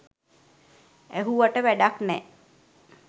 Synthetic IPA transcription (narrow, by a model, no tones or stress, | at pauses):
æɦuʋaʈəʋæɖaknɛ